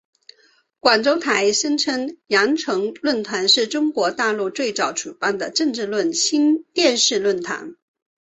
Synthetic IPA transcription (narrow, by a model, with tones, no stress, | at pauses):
kwa˨˩nʈ͡ʂo˥ʊt̪ʰa˧˥ɪʂə˥ŋʈ͡ʂʰɤ˥ŋjɑ˧˥ŋʈ͡ʂʰɤ˧˥ŋlwə˥˩nt̪ʰa˧˥nʂɻ̩˥˩ʈ͡ʂʊ˥ŋkwɔ˧˥t̪a˥˧lu˥˧t͡swe˥˩ɪt͡sɑ˨˩˥ʊʈ͡ʂu˨˩pa˥˩nd̪ə˨ʈ͡ʂɤ˥˧ŋʈ͡ʂɻ̩˥˧lwə˥˩nɕi˥nt̪jɛ˥˧nʂɻ̩˥˧lwə˥˩nt̪ʰa̰˧˥n